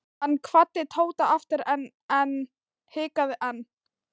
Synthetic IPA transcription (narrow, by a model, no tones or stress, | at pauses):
hanːkʰvat̪ːɪt̪ʰoːwt̪aaft̪ɪɾɛn | ɛn | hɪːkaðɪʔanː